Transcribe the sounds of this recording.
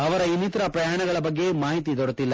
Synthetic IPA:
ɐʋɐɾɐinːit̪ɐɾɐpɾɐjaːɳɐɡɐɭɐbɐɡːe̞maːɦit̪id̪ɔɽɐt̪ilːɐ

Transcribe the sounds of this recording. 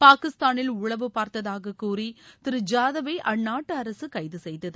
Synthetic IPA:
paːkɪst̪aːnɪlʊɻɐʋɯpaːɾt̪ɐðaːɣɐkːuːrit̪ɪɾɯd͡ʒaːðɐʋɐɪʔɐɳːaːʈːɯɐɾɐsɯkɐɪðɯsɛjðɐðɯ

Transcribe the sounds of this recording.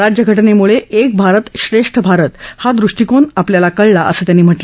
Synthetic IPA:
ɾad͡ʑjəɡʱəʈnemuɭeʔek̚bʱaɾət̪ɕɾeʂʈʰəbʱaɾət̪had̪ɾuʂʈikonapljalakəɭlaʔə̰səːt̪janːiːm̤əʈl

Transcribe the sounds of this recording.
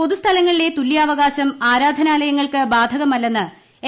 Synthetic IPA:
po̞ðust̪ʰɐlɐŋːɐɭile̞t̪ulijaːʋɐɣaːɕɐmaːɾaːd̪ʱɐnaːlɐjɐŋːɐɭkɨbaːd̪ʱɐɣɐmɐlːɐnːɨ | e

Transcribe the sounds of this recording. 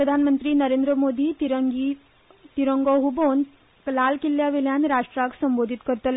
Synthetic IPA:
pɾəd̪ʱanmənt̪ɾiːnəɾend̪ɾəmoːd̪it̪iɾɡi | t̪iɾəŋɡoɦubon | klalkilːjaʋeljanɾaʂʈɾaksəmbod̪ʱit̪kəɾt̪əl

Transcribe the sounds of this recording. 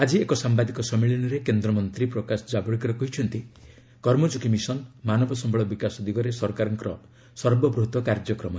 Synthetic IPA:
ad͡ʒiekɔsambad̪ikɔsɔmiɭinɔɾekend̪ɾɔmɔnt̪ɾipɾɔkasɔd͡ʒabɔɽikɔɾɔkɔɦit͡ʃʰɔnt̪i | kɔɾmɔd͡ʒukimisɔnmanɔbɔsɔmbʱɔɭɔbikasɔd̪iɡɔɾesɔɾkaɾɔŋkɔɾɔ | sɔɾbɔbɾuɦt̪ɔkaɾd͡ʒɔkɾɔmɔ

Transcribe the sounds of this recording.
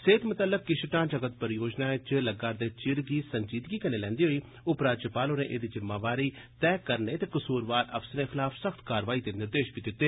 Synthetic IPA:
seːt̪mʊt̪əlːəkːɪʃʈãːd͡ʒəɡət̪̚pəɾjoːd͡ʒnãːɪt͡ʃləɡaːɾd̪eːt͡ʃɪɾɡiːsəɲd͡ʒiːt̪ɡiːkəneːlɛ̃ːnd̪iːɦoːiː | ʊpɾaːd͡ʒəpaːloːnḛ̃ːʔḛːd̪iːzɪmːaːʋaːɾiːt̪ɛːkəɾneːt̪eːkəsuːɾʋaːɾə̰fsnẽːkʰɪlaːfsəxt̪kaːɾʋaːiːt̪enɪɾd̪eːʃbiːd̪ɪt̪ːeː

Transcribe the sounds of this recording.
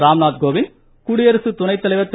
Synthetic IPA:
ɾaːmnaːt̪̚ɡoːʋɪn | kuːɽɪjɐɾɐsɯt̪ʊnɐɪt̪ːɐlɐɪʋɐt̪ː

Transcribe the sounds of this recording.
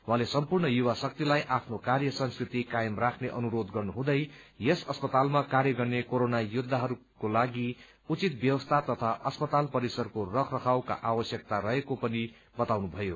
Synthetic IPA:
wãlesʌmpurɳʌjuwasʌk̚t̪ilajʔapʰnokarjʌsʌnskrit̪ikajʌmrakʰneʔʌnuɾod̪ɡʌrnuɦũd̪ʌjjesʌspʌt̪almakaɾjʌɡʌrnekoɾonajud̪ʱːaɦʌɾukolaɡi | ut͡sit̪bjʌwʌst̪ʰat̪ʌt̪ʰaʔʌspʌt̪alpʌɾisʌrkorʌkʰrʌkʰawka̰ʔawʌsjʌk̚t̪aɾʌɦekopʌni | bʌt̪awnubʱʌjo

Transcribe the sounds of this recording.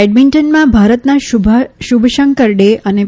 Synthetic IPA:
eɖmiɳʈənmãbʱaɾət̪naʃbʱʃubʱʃəŋkəɾɖeʔəne

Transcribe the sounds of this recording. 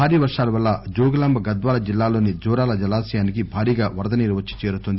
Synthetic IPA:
aːɾiːʋɐɾʂaːlɐʋɐlːɐd͡ʒoːɡɐlɐmbɐɡɐd̪ʋaːlɐd͡ʒilːaːlo̞ːnid͡ʒɔːɾaːlɐd͡ʒɐlaːsɐjaːnikibʱaːɾiːɡaːʋɐɾd̪ɐniːɾʋɐt͡ʃːi̥t͡ʃe̞ːɾut̪und̪i

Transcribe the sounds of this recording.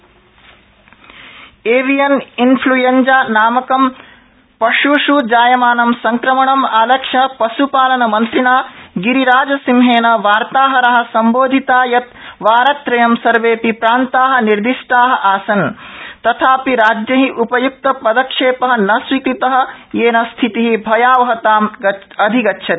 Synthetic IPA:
eːʋijɐninpʰlujɐnd͡ʒaːnaːmɐkɐm | pɐʃuʃud͡ʒaːjɐmaːnɐmsɐŋkɾɐmɐɳɐmaːlɐkʂɐpɐsupaːlɐnɐmɐnt̪ɾinaːɡiɾiɾaːd͡ʒɐsimɦeːnɐʋaːɾt̪aːɦɐɾɐɦɐ̆sɐmboːd̪ʱit̪aːjɐt̪ʋaːɾɐt̪ɾɐjɐmsɐɾʋeːpipɾaːnt̪aːɦɐ̆niɾd̪iʂʈaːɦɐ̆ʔaːsɐnt̪ɐt̪ʰaːpiɾaːd͡ʒjɐɦiʔupɐjuk̚t̪ɐpɐd̪ɐkʂeːpɐɦɐ̆nɐsʋik̪it̪ɐɦɐ̆jeːnɐst̪ʰit̪iɦibʱɐjaːʋɐɦɐt̪aːmɐ | ɐd̪ʱiɡɐtːʃʰɐt̪

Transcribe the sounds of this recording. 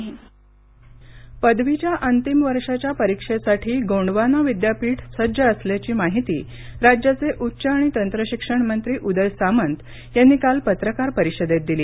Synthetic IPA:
pəd̪ʋit͡ɕjaʔənt̪imʋəɾʂat͡ɕjapəɾikʂesaʈʰiːɡoɳɖʋanaʋid̪japiːʈʰsəd͡ʑəəsljat͡ɕiːmaɦit̪ḭː | ɾad͡ʑjat͡seʔutːɕəːɽ̃it̪ənt̪ɾəɕikʂəɳmənt̪ɾiːʔud̪əlsamənt̪ | janːiːkalpət̪ɾəkaɾpəɾiɕəd̪et̪̚d̪iliː

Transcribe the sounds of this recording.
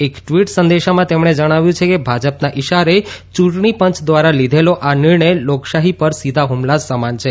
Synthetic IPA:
ekʈʋiʈsənd̪eʃamãt̪emɳ̃ed͡ʒəɽ̃aʋjũt͡ʃʰekebʱad͡ʒəpnaʔiʃaɾet͡ʃũʈɳipəɲt͡ʃd̪ʋaɾalid̪ʱeloʔanɪɾɳəjloksaɦipəɾsid̪ʱaɦumlasəmant͡ʃʰe

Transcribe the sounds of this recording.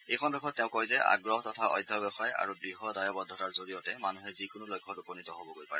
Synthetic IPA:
ejkʰɔnɹɔkʰɔttːɛʊ̃kɔjzɛa̰ɡɹɔɦtɔtʰaʔɔ̰jdʱːɔbɛxaja̰ɹubɹiɦɔdajɔbɔd̪ʱːɔtaɹzoɹijɔtɛmanuɦɛzikʊnʊlojkʰːɔtupɔnitɔɦobɔɡojpa̰ɹɛ

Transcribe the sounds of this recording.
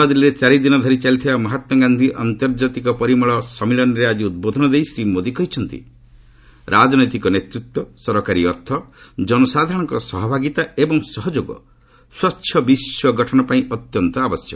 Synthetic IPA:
ad̪iliɾet͡ʃaɾid̪inɔd̪ʱɔɾit͡ʃalit̪ʰibamɔɦat̪wɔɡand̪ʱiʔa̰nt̪ɔɾd͡ʒat̪ikɔpɔɾimɔɭɔsɔmilɔnɔɾead͡ʒiud̪̚bod̪ʱɔnɔd̪ejsɾimod̪ikɔɦit͡ʃʰɔnt̪ḭ | ɾʔad͡ʒɔnɔjt̪ikɔnet̪ɾut̪wɔsɔɾɔkaɾiɔɾt̪ʰɔd͡ʒɔnɔsad̪ʱaɾɽ̃ɔ̃ŋkɔsɔɦɔbʱaɡit̪aebɔŋsɔɦɔd͡ʒoɡɔ̰ | swatːʃʰɔbiswɔɡʱɔʈʰɔnɔpaĩɔt̪jɔnt̪ɔabɔsjɔ̰

